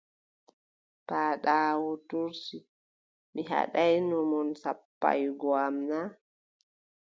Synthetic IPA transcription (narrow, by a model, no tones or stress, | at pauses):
paːɗaːwɔtuɾsi | miɦa̰ɗajnɔmɔnsapːa̰jɡɔamna